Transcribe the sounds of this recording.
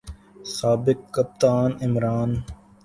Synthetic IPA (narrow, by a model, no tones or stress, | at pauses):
saːbɪkːəp̚t̪aːnɪmɾaːn